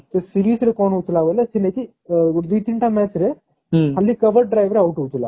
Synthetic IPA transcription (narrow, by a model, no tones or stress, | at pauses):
sesiɾiːsɾekoːnuut̪ulaːʋɐlːɐsineki | d̪it̪iɳʈameːt͡ʃɾe | ɦɐlːikɐʋɐɾʈ̚ɖɾajʋɐɾeɐwʈuut̪ula̰